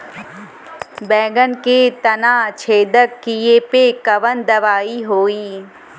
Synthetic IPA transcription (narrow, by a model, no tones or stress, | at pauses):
bɛ̃ːɡənket̪ɐnaːt͡ʃʰeːd̪əɾkijepekɐʋənd̪ɐʋaːiɦoːiː